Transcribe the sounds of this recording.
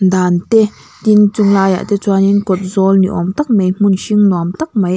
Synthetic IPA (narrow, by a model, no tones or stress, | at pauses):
nd̪aːnt̪e | t̪int͡suŋlaːja̰ʔt̪ɛt͡swaːninkɔt̪̚zɔlnḭʔɔmt̪ak̚mem̥unʃiŋnɔmt̪ak̚majʔ